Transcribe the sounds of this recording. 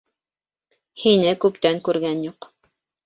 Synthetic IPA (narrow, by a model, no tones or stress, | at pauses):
hinɘkʉpt̪æŋkʉɾɡænjuq